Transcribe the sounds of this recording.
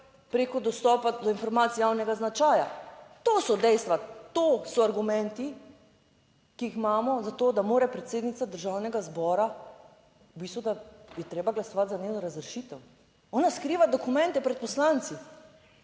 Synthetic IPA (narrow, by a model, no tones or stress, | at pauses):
pɾekɔd̪ɔst̪ɔpad̪ɔinfɔɾmaːt̪sijawnɛɡaznat͡ʃaːja̰t̪oːsɔd̪ɛjst̪ʋat̪osɔaɾɡumɛnt̪i | kiixmaːmɔzat̪od̪amoːɾɛpɾɛt̪seːd̪nit̪sad̪əɾʒaːwnɛɡazbɔːɾa | biːst̪ud̪ajɛt̪ɾeːbaɡlasɔʋat̪zanʲewnɔɾazɾɛʃit̪ɛw | ɔnaskɾiːʋad̪ɔkumɛ̃nt̪ɛpɾɛt̪̚pɔslaːnt̪si